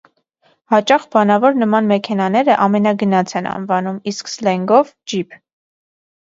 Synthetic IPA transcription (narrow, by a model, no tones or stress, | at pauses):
hɑt͡ʃɑχbɑnɑvɔɾnəmɑnmɛkʰɛnɑnɛɾəʔɑmɛnɑɡənɑt͡sʰɛnʔɑ̰nvɑnumisksəlɛŋɡɔvd͡ʒipʰ